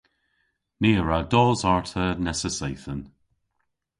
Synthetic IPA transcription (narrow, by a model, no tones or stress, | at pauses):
neːəɹadɔːzaɹtʰənɛsəsejθən